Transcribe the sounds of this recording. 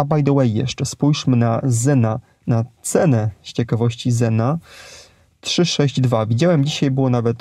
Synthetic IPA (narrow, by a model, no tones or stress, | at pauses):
abajd̪ɔwɛjːɛ̰ʂt͡ʂɛspujʂmɘnazɛna | nat̪sɛnɛɕt͡ɕɛkavɔɕt͡ɕizɛna | tʂɘʂɛʑd͡ʑd̪vavʲid͡ʑawɛmd͡ʑiɕajbɘwɔnavɛt̪